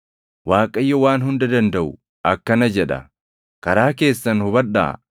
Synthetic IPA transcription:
waːkʼɐjːɔwaːnɦʊnd̪ɐd̪ɐnd̪ɐʔʊ | ʔɐkːɐnɐd͡ʒɛᶑɐ̰ | kɐɾaːke̞ːsːɐnhʊbɐᶑːa̰ː

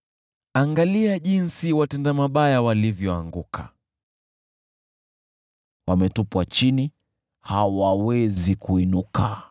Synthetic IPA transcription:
aŋɡaliaʄinsiwatɛndamaɓajawalivjɔaŋɡukʰa | wamɛtupwat͡ʃini | hawawɛzikuinuka

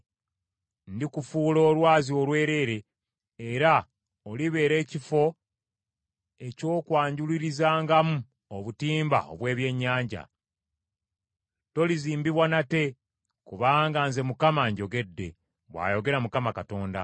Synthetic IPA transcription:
n̩dikufuːlo̞ːlwaːzio̞lwe̞ːɾe̞ːɾe̞ː | ɾa | oliβe̞ːɾe̞ːcifo̞ | e̞co̞ːkwaːɲɟuliɾizaːŋɡamu | oβutiːmba̰o̞̰βwe̞ːβje̞ɲːaːɲɟa̰ | to̞liziːmbiβwanate̞ | kuβaːŋɡanze̞mukamaɲɟo̞ɡe̞dːe̞̰ | βwa̰ːjo̞ɡe̞ɾamukamakato̞ːnda̰

